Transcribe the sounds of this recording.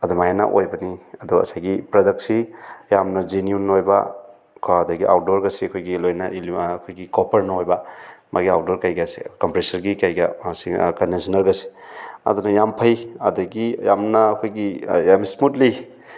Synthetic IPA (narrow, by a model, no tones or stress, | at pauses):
ɐd̪umajana̰ʔo̰jbɐniɐduɐ̰sajɡipɾɐdɐk̚sijamnɐd͡ʒinijunojbɐ̰ | kʰːdɐɡiʔa̰wt̚doɾɡɐsiɐkʰojɡilojnɐilːkʰojɡikɔpʰɐɾnɐojbɐmʔa̰ɡiaw̚doɾkajɡɐsḭkɔmpɾesɐɾɡikajɡɐ̰sikɐnensʰinɐɾɡɐsi̥ɐ̰d̪unɐjampʰɐjɐdɐɡijamnɐːkʰojɡijamismutli